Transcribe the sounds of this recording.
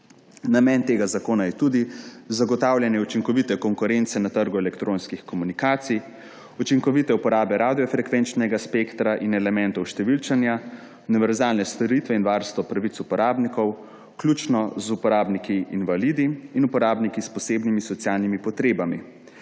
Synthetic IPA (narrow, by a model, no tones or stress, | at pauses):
namɛnt̪eːɡazakoːnajɛt̪uːd̪izaɡɔt̪aːwlʲjɛnjɛut͡ʃiŋkɔʋit̪ɛkɔŋkuɾent̪sɛnat̪əɾɡuɛlɛkt̪ɾonskixkɔmunikaːt̪sij | ut͡ʃiŋkɔʋit̪ɛupɔɾaːbɛɾaːd̪ijɔfɾɛkʋɛnt͡ʃnɛɡaspekt̪ɾaʔinɛlɛmɛnt̪ɔwʃt̪ɛʋilt͡ʃanja | uniʋɛɾzaːlnɛst̪ɔɾiːt̪ʋɛinʋaɾst̪ʋɔpɾaʋit̪supɔɾaːbnikɔw | klʲuːt͡ʃnɔzupɔɾaːbnikiːnʋalid̪iinupɔɾaːbnikispɔseːbnimisɔt̪sjaːlnimipɔt̪ɾeːbami